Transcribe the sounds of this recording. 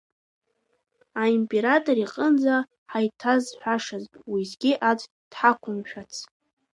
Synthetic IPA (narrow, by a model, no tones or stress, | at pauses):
aimpʼeɾatʼoɾiqʼənd͡za | ħajtʰazħʷᶣaʂazwizɡʲiʔat͡sʷʰʼ | d̥ħakʷʰʊmʃᶣat͡sʰ